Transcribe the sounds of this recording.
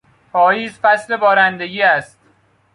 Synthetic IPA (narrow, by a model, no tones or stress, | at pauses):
pʰɒːjiːzfæsle̞bɒːɾænd̪eɡiːæst̪̚